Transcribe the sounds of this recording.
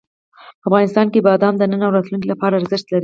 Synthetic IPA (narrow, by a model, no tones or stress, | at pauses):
afɣɑnɪst̪ɑnkebɑd̪ɑmd̪ənənawɾɑt̪lunk̬ilapɑɾaːɾzɪʃt̪laɾi